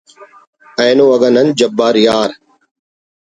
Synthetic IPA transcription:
ə̃ːnoːɐɡənənd͡ʒəbːaːɾjaːɾ

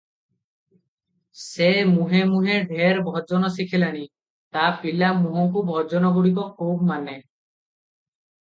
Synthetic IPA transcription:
semuɦemuɦeɖʱeɾbʱɔd͡ʒɔnɔsikʰilaɽ̃i | t̪apilamũɦɔŋkubʱɔd͡ʒɔnɔɡuɽikɔkʰubmane

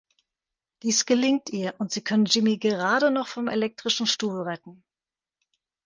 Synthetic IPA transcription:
d̥iːsɡ̥əlɪŋtʔiːɐʔʊntz̥iːkʰœnənd͡ʒɪmiɡəʁaːɾənɔχfɔmḛlɛk̚tʁ̥ɪʃn̩ʃtuːlʁɛtn̩

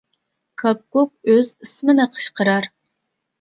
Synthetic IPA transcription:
kʰɑkːuk̚øzismɪnɨqʰə̥ʃqʰəɾɑɾ

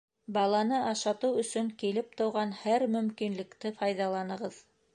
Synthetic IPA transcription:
bɑlˠɑnɤɑʃɑt̪ɤwɵ̆sɵŋkilɘp̚t̪ɤ̆wʁɑnhæɾmɵ̆mkinlɘ̆kt̪ɘfɑjðɑlˠɑnɤ̆ʁɤð

